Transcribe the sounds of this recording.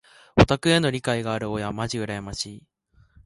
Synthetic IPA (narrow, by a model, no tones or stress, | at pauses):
o̞t̪akɯ̟e̞no̞ɾʲikaiɡaːɾɯ̟o̞jamaʑiɯ̟ɾajamaɕi